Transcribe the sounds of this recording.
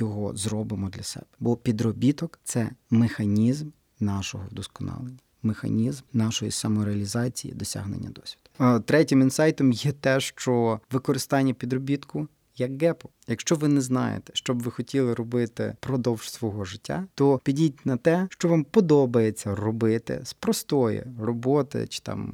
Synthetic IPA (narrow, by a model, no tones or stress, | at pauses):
jɔɦɔ̰zɾɔbɪmɔd̪lʲɐsɛ̰b̥ɛ̥bɔpʲid̪ɾɔbʲit̪ɔkt̪sɛmexɐnʲizm | nɑʃɔɦɔwd̪ɔskɔnɑ̰lˠenʲːi | mexɐ̰nʲizmnɑʃɔjḭsɐmɔɾeɐlʲizɑt͡sʲijḭd̪ɔsʲa̰ɦnḛnʲːɐ̰d̪ɔsʲʋʲid̪̥ʊt̪ɾɛtʲɪminsɑjt̪ɔmjɛt̪ɛʃt͡ʃɔʋɪkɔɾɪst̪ɑnʲːɐpʲid̪rɔbʲit̪kʊ | jɐkɡɛpɔ̥jɐkʃt͡ʃɔʋɪnɛznɑ̰jḛt̪ɛ̥ʃt͡ʃɔbʋɪxɔtʲilˠɪɾɔbɪt̪ɪ̰pɾɔd̪ɔwʒ̥sʋɔɦɔʒɪtʲːa̰t̪ɔpʲidʲitʲnɐt̪ɛʃt͡ʃɔʋɑmpɔd̪ɔbɐjet͡sʲːɐrɔbɪt̪ɪ̰spɾɔst̪ɔjḭrɔbɔt̪ɪ̰t͡ʃɪ̥t̪ɑ̰m